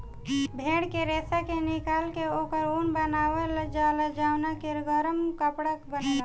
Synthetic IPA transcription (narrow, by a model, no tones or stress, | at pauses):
bʱeɽkeɾesakenikalkeokəɾunbənawələd͡ʒaləd͡ʒawnakeɾɡəɾəmkəpɽəkbənela